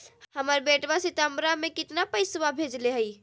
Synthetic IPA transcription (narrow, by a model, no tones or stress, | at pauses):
həməɾbeːʈʋasɪt̪əmbɾamẽkɪt̪napəɪsʋabʱeːd͡ʒleɦəi